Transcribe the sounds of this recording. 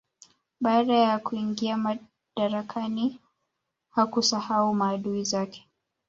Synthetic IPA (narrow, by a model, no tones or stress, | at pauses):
ɓaaɗajakuiŋɡiama | ɗaɾakʰani | hakusahaumaːɗuizakɛ̥